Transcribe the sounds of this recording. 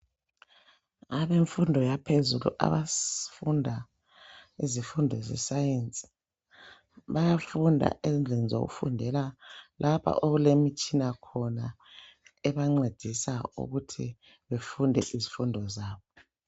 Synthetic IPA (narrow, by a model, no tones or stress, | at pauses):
aβeɱfundʱɔjapʰezulṵʔa̰βafundʱa | izifundʱɔzɛ̰sajent͡sʼi̥ | βajafundʱa̰ʔend͡ɮʱenizo̰ɣṵfṵndʱɛlalʔapʰa̰ʔoɣulemit͡ʃʼinakʰɔna | ɛβaŋ͡ǀed̥ʱisaṵɣutʰḭ | βefundʱɛʔizifundʱɔzaːβɔ